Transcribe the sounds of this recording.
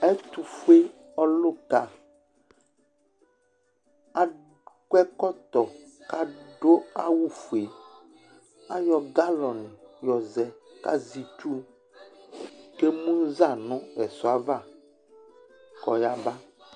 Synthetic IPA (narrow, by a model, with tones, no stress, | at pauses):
ɛ˦t̪u˨fu˦e˦ | ɔ˦lo˦ka˨ | a˦ | kɛ˦kɔ˦t̪ɔ˨ | ka˦ɖo˦a˦wu˦fu˨e˨ | a˦jɔ˨ɡa˦lɔ˨nɛ̃˨jɔ˨zɛ˨ka̰˦zi˨t̪u˦ | ke˦mũ˦za˦˨nɔ̃˦ɛ˨sɔ˨a˦va˦˨ | kɔ˨ja˦ba˦